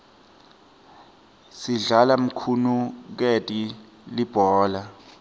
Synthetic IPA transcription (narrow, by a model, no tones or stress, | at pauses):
siɮalam̩kʰunuk̬etʼi | lib̥ʱɔːla